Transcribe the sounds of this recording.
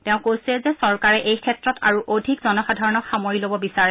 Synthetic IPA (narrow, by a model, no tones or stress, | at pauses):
tɛʊ̃kojsɛzɛsɔɹkaɹɛʔejkʰɛtɹɔtʰa̰ɹuʔodʱikzɔnɔxadʱaɹɔnɔkxamoɹilobɔbisaɹɛ